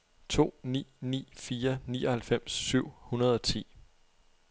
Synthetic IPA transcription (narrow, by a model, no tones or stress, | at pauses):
t͡sʰo̝̰ːnḭːnḭːfiːɐnḭːʔɒ̽hælfem̰sːyʊ̰hunɐð̞ˠɒ̽t͡sʰḭː